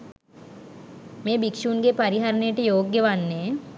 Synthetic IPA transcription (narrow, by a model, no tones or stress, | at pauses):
mẽːbikʃuːnɡepɐɾiɦaɾneʈejoːɡjəʋanːeː